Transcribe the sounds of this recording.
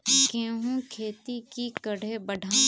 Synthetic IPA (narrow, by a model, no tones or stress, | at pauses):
kẽːɦũkʰeːt̪ikikɐɽ̤ebəɖʱa